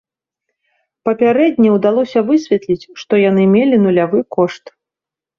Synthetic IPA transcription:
pɐpʲaɾɛd̪ʲnʲɛwd̪alˠɔsʲɐvɨsʲvʲɛt̪lʲit͡sʲʂt̪ɔjan̪ɨmʲelʲinulʲavɨkɔʂt̪

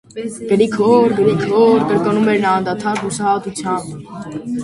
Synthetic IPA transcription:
ɡəɾikʰɔɾɡəɾikʰɔɾkəɾkənumɛɾnɑːnd̪ɑt̪ʰɑɾːusɑt̪ut͡sʰjɑmb

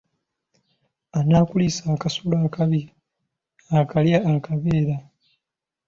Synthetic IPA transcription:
anaːkulisaːkasulaːkaβi | akaljaːkaβeːɾa

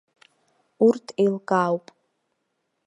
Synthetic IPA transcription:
urtʰejlkʼawpʼ

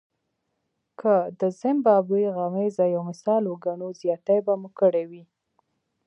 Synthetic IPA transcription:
kʰəd̪əzɪmbɑbuɣamezajawmɪsɑloɡaɳozjɑt̪ajbamukəɽewi

